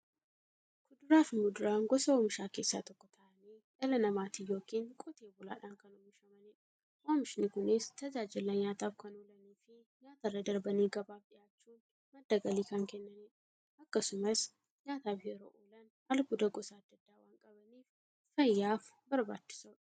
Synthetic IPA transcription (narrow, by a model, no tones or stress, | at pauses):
kʊd̪ʊɾaːfmʊd̪ʊɾaːŋɡɔsɐoːmɪʃaːke̞ːsːa̰ːt̪ɔkːɔt̪ʰɐʔɐniːᶑɐlɐnɐmaːt̪ijo̞ːkiːŋkʼɔt̪ʰeːbʊla̰ːᶑaːŋkɐnoːmɪʃɐmɐne | ʔoːmɪʃnɪkʊnɪst̪ɐd͡ʒaːd͡ʒɪlːɐɲaːt̪aːfkɐnoːlɐniːfɪ | ɲaːt̪ɐrːɐd̪ɐɾbɐniːɡɐbaːfᶑɪjaːt͡ʃːuːn | mɐd̪ːɐɡɐliːkɐŋkɛnːɐnɛ | ɐkːɐsʊmɐs | ɲaːt̪aːfheːɾo̰ːʔoːlɐn | ɐlbʊd̪ɐɡɔsaːɐd̪ːɐd̪ːaːwaːŋkʼɐbɐniːf | fɐjːaːfbɐɾba̰ːt͡ʃːɪ̥sʊ